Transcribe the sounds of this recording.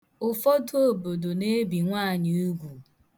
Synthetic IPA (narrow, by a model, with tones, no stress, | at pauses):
ʊ˨fɔ˦to˦˨bo˨do˨ne˦bi˨ŋʷa˦˨ɲi˦u˦ɡʷu˨